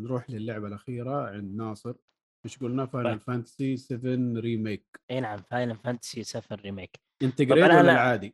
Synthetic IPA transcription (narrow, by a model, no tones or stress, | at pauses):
nɾuːħlɪlːʊʕbalʔaxiːɾaʕɪnd̪nɑːsˤɨɾ | bɪʃɡulnafajnalfant̪ḁsisɪfɪnɾiːmeːkʔeːnaʕamfajnafant̪ḁsisafɪnɾimeːk | ʔɪnt̪ɪɡɾeːanalʕaːd̪i